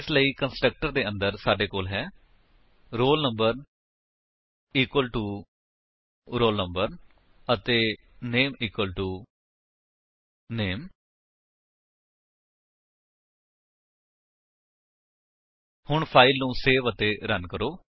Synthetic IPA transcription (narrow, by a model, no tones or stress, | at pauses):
ɪsləiːkənsʈɾək̚ʈəɾd̪eːə̃nd̪əɾsaːɖeːkoːlɦɛː | ɾoːlnəmbəɾ | iːkwəlʈuː | ɾoːlnəmbəɾ | ət̪eː | neːmiːkwəlʈuː | neːm | hʊɳpʰaːɪlnũːseːʋət̪eːɾənkəɾoː